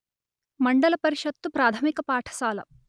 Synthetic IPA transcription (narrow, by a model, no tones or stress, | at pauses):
mɐɳɖɐlɐpɐɾiʃɐt̪ːupɾaːt̪ʰɐmikɐpaːʈʰɐ̥ʃaːlɐ̰